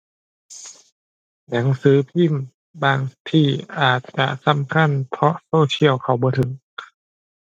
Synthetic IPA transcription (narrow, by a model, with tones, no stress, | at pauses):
na˨˩˦ŋsɯː˨˦pʰi˧˥˨m | baː˧˩ŋt̪ʰiː˧˩ʔaː˨˩t̪̚t͡ɕa̰˧ʔsa˧˥˨mkʰa˧˥˨npʰɔ˧˥soː˧˨kʰi˧˥˨əwkʰa˧˩wbɔː˧˦t̪ʰɯ˨˩˦ŋ